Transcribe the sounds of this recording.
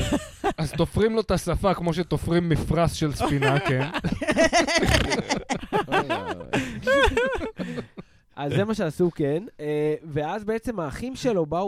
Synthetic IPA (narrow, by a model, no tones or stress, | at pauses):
azt̪o̞fʁimlo̞t̪asafakmo̞ʃet̪ofʁimːifʁasʃelsfinaken | ʔazːemaʃeasukeneveazbe̞et͡se̞maːχimʃelo̞ba